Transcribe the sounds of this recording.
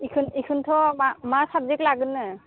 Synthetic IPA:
ikʰɯnikʰɯntʰɔmamasab̚zɛklaɡɯnːɯ

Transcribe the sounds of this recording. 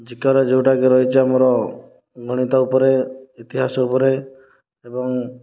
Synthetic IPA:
d͡ʒikaɾɔd͡ʒeuʈakeɾɔɦit͡ʃʰiamɔɾɔ | ɡʱɔɽ̃it̪aupɔɾeit̪iɦasɔupɔɾe | ebɔŋ

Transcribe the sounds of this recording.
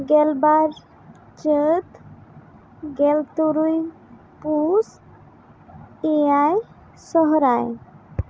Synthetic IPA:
ɡɛlbaɾ | t͡ʃət̪ | ɡɛlt̪uɾuj | pus | eaj | sɔɦɾaj

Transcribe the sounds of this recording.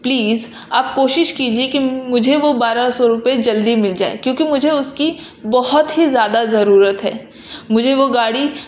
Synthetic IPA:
pliːz | aːp̚koːʃɪʃkiːd͡ʒiekimʊd͡ʒʱeʋobaːɾasɔɾʊped͡ʒɐld̪imɪld͡ʒaːḛkjõːkimʊd͡ʒʱeʊski | bɔɦʊt̪ɦizjaːd̪azɐɾuːɾət̪ɦɛ̰ː | mʊd͡ʒʱeʋoɡaːɽi

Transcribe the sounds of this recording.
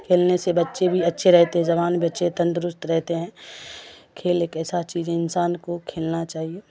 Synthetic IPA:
kʰeːlnesebɐtːʃebʱiɐtːʃʰeɾɛɦt̪eɦɛ̃d͡ʒɐβaːnbʱiɐtːʃʰet̪ɐ̃nd̪ɾʊst̪ɾɛɦt̪eɦɛ̃ː | kʰeːleːkɛːsat͡ʃiːzẽɪnsaːnkokʰeːlnat͡ʃaːɦieː

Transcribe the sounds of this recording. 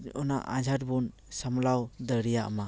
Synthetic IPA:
ɔna̰ʔa̰d͡ʒaɾbun | samlawd̪əɾija̰ma

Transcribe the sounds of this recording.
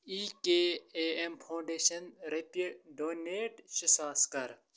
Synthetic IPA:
iːkeːeempʰõːɳɖeːʃɐnɾepiɖoːneːʈɕisaːskɐɾ

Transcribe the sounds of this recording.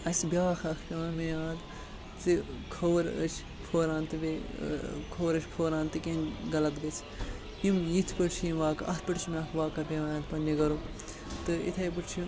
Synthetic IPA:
ɐsbʲaːkʰɐkʰkʲɐːmejaːd̪ | t͡sɨkʰoʋɾə̰t͡ʃʰ | pʰoːɾãːnt̪ɨbe | kʰoːɾɐt͡ʃʰʲpʰoːɾãːnt̪ɨkʲẽnɡɐlɐkd̪it͡sʰ | imjit̪ʰpɨʈt͡ʃʰimʋaːkɐ̰t̪ʰpɐʈt͡ʃʰmʲaːkʰʋaːkɐbeʋaːjãnpɐnːiɡɐɾu | t̪ɨḭt̪ʰɐjp̬ɨʈt͡ʃʰi

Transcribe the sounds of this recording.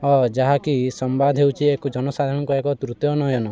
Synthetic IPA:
ɔd͡ʒaɦakisɔmbad̪ʱɦewt͡ʃʰiekud͡ʒɔnɔsad̪ʱaɾɽ̃ɔ̃ŋkɔekɔt̪ɾut̪jɔnɔjɔnɔ

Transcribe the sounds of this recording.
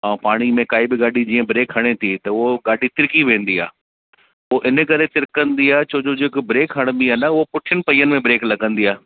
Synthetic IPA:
ãːpaːɽ̃imẽkaːibɪɡaːɖid͡ʑiːə̃bɾeːkɦɐɽ̃et̪ʰit̪ɐʊɦoɡaːɗit̪ɪɾkiʋẽːn̆d̪ia̰ː | ʊoʔɪnəkɐɾet̪ɪɾɪkə̃nd̪iaːt͡ɕoːd͡ʑod͡ʑɪːkbɾeːkɦɐɽ̃mbiɦanaʊɦopʊʈʰɪjəñɪpɐiːənɪ̆mẽbɾeːklɐɡə̃nd̪iːaː

